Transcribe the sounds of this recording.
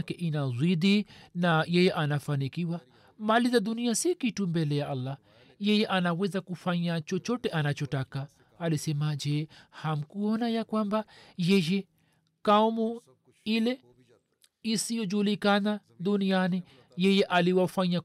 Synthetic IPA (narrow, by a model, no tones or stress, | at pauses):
kɛʔinazwiɗinajɛjɛʔanafanikiwa | malizaɗuniasikitumbɛlɛjaʔalːa | jɛjɛʔanawɛzakufaɲat͡ʃɔt͡ʃɔtɛʔanat͡ʃɔtakaː | lisɛmad͡ʒɛham̩kuɔnajakwambajɛjɛ | kaɔmu | ilɛ | isijɔd͡ʒulikana | ɗunijani | jɛjɛʔaliwafaɲa